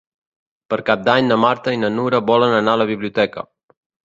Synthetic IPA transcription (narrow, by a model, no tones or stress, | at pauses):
pəɾkap̚d̪aɲnəmaɾt̪əinənuɾəβɔlənənaləβ̞iβliut̪ɛkə̰